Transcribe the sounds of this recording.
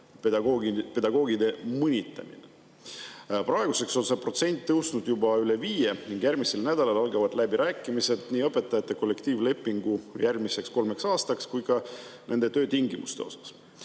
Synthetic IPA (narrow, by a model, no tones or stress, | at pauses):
pe̞d̪ɑɡo̞ːɡid̪̥e̞mɤnʲit̪ːˑɑ̰mḭne | prɑe̞ɡ̥use̞kso̞nse̞pro̞t̪se̞nʲt̪ːɤwst̪nud̪̥jubɑyle̞viːje̞niŋɡ̥jæɾmise̞lnæd̪̥ɑlɑlɑlɡɑvɑd̪̥læbiɾæːkːˑimise̞d̪̥niːɤpːe̞t̪ːˑɑjɑt̪ːˑe̞ko̞lːe̞kt̪iːvle̞pːˑiŋɡ̥ujʔærmise̞ksko̞lmeksɑːst̪ɑkskujɡɑnʔe̞nd̪̥e̞t̪ø̞ːt̪iŋɡimṵst̪e̞̰o̞̰sɑ̥s